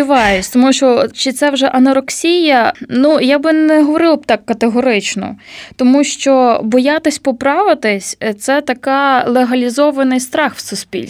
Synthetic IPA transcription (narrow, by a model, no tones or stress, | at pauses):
iʋɑjʊsʲt̪ɔmuʃt͡ʃɔt͡ʃɪt̪sɛwʒɛʔɐnɐɾɔksʲijɐnujabɪnɛɦɔʋɔɾɪlˠɐb̚t̪ɑkːɐt̪eɦɔɾɪt͡ʃnɔ̰t̪ɔmuʃt͡ʃɔbɔjat̪ɪsʲpɔpɾɑʋɪt̪ɪsʲt̪sɛt̪ɐkɑlˠeɦɐlʲizɔʋɐnɪjst̪ɾɑxwsʊspʲḭlʲ